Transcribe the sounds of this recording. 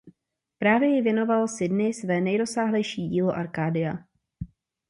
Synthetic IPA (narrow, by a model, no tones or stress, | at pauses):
pɾaːvjɛjɪvjɛno̞valsɪdnɪsvɛːnɛjɾo̞saːɦlɛjʃiːɟiːlo̞ʔaɾkaːdɪja